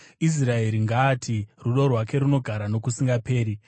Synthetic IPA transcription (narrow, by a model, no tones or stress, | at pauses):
is̬rae̞ɾiŋɡaːtʰiruɗo̞rwake̞ɾuno̞ɡʱaɾano̞kusiŋɡape̞ːɾi